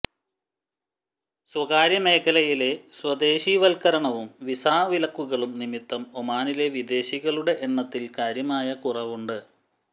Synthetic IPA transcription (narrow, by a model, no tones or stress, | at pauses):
swɐɣaːɾjɐme̞ːkʰːɐlɐjile̞swɐd̪e̞ːɕiʋɐlkɐɾɐɳɐʋumʋisaːʋilɐkːuɣɐɭumnimit̪ːɐmomaːnile̞ʋid̪e̞ːɕiɣɐɭuɽe̞ʔeɳːɐt̪ːilkaːɾjɐmaːjɐkurɐʋuɳɖɨ